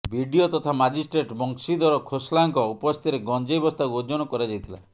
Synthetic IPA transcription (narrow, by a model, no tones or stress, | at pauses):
bʱiɖiot̪ɔt̪ʰamad͡ʒisʈɾeʈbɔŋksid̪ɔɾɔkʰoslaŋkɔupɔst̪ʰiɾeɡɔnd͡ʒejbɔst̪ʰauod͡ʒɔnɔkɔɾad͡ʒajt̪ʰila̰